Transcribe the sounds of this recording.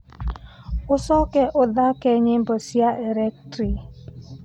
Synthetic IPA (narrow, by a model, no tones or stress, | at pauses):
ʊsɔkɛʔʊdakeɲɪm̩bosiaʔeɾek̚tɾi